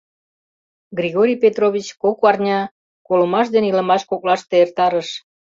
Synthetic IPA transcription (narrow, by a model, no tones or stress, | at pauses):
ɡrʲiɣoɾʲijpet̪roβʲit͡ɕkokɑrnʲɑ | kolə̆mɑʃ̬d̪eniləmɑʃkoklɑʃt̪eert̪ɑɾəʃ